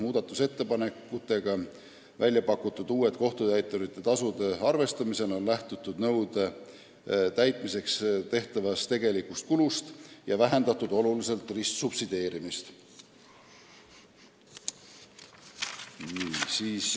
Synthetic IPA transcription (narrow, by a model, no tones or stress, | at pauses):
muːd̪̥ɑt̪ːˑuse̞t̪ːe̞pɑne̞kːut̪ːˑe̞ɡ̥ɑ | vælʲjɑpɑkːˑut̪ːˑud̪̥uːe̞t̪̚ko̞ht̪ut̪æjt̪ːˑoɾit̪ˑːe̞t̪ɑsud̪e̞ɑrve̞st̪ɑmise̞lo̞nlæht̪ut̪ːud̪nɤ̞wd̪e | t̪æjt̪ˑmise̞kst̪e̞ht̪ɑvɑst̪e̞ɡe̞likust̪̚kulust̪jɑvæɦe̞nd̪ɑt̪ːˑud̪o̞lulise̞lt̪ˑrisksupsid̪̥e̞ːɾimist̪ | niːsiːs